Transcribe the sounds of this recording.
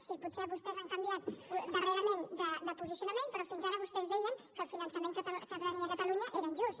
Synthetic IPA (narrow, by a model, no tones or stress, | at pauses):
sipuseβust̪ɛzaŋkəmbiat̪d̪əreɾəmend̪əd̪əpuzisiunəmẽnpɾɔfinzaɾəβ̞ust̪ɛzðɛjəŋkəlˠfinənsəmẽŋkt̪kət̪əlaɲiəkət̪əluɲəʔeɾəəɲʲʒus